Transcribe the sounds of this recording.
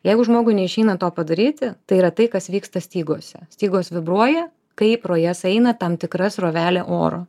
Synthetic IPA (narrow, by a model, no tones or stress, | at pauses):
jɛɪɡʊʒmoːɡʊɪnʲɛɪʃʲɛɪnɐt̪oːpɐd̪ɐɾʲiːt̪ʲɪt̪ɐɪiɾɐt̪ɐɪkɐsʋʲiːkst̪ɐsʲt̪ʲiːɡoːsʲɛ̰sʲt̪ʲiːɡoːsʋʲɪbɾuɔjɛ | kɐɪpɾoːjɛsɛɪnɐt̪ɐmt̪ʲɪkɾɐsroːʋʲæːlʲeːʔo̰ːɾo̰ː